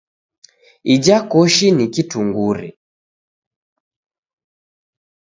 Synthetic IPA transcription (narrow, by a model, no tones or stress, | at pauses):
id͡ʒakɔʃinikituŋɡuɾḭ